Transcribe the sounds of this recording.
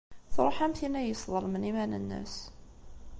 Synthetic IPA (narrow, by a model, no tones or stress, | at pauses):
θɾˤoħæmθinæjəsˤðˤəɾmənimænə̰nːə̰s